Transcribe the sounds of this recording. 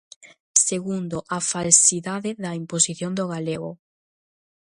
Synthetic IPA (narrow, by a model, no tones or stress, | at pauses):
seɣund̪oʔafalsiðaðɪðɐimposiθjond̪oɣaleɣo̰